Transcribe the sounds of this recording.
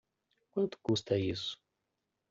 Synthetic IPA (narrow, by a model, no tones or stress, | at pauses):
kwɐ̃nt̪u̥kust̪ɐisʊ̥